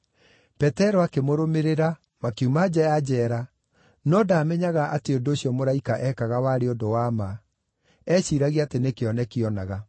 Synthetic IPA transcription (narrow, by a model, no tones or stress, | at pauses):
pɛtɛɾɔakemoɾomeɾeɾa | makeumad͡ʑajad͡ʑɛɾa | nɔdaːmɛɲaɣaʔateondooɕjɔmoɾaikaʔɛkaɣawaɾeodowama | ɛɕiɾaɣiatenekeɔnɛkeɔnaɣa